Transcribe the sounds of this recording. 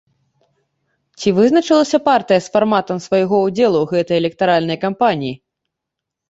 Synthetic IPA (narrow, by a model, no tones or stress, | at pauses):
t͡sʲivɨznɐt͡ʂɨlˠɐsʲɐpart̪ɨjɐsfarmat̪ɐmsvajɣɔud͡zʲɛlˠuɣɛt̪ɐjɛlʲɛk̚t̪aɾalʲnɐjkampanʲiji